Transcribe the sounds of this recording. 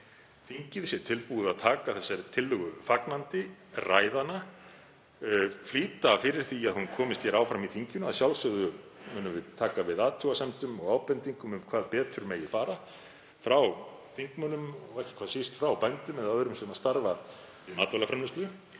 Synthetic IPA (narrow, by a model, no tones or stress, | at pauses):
θiɲcɪðsjɛt̪ʰɪlpuʏaðt̪ʰaːkaθɛsːaɾt̪ʰɪlːʏɣʏfaknant̪ɪraːjðana | fliːt̪afɪɾɪɾ̥θiaðhunkʰɔːmɪst̪çɛɾaːwfɾamiθiɲcʏnaðsjawlsœɣðʏmʏːnʏmvɪðt̪ʰaːkavɪðaːt̪ʰjuwasɛmt̪ʏmɔɣaːwpɛnt̪iŋkʏmʏmkʰvaːðpɛːt̪ʏɾmɛjɪfaːɾa | fɾaw | θiŋkmœnʏmɔɣɛhcɪ̥kʰvaːðsist̪fɾawpɛnt̪ʏmɛðaðœɾʏmsɛmaðst̪aɾva | ɪmaːt̪vɛlafɾanːʏst̪lʏ